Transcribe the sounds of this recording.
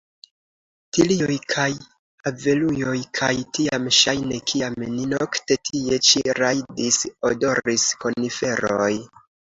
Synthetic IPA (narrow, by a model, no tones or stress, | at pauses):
tiliojkʰaj | ave̞lujo̞jkʰajtiamʃajnekʰiamninokte̞tʰie̞t͡ʃiɾajdisodo̞ɾisko̞nife̞ɾo̞j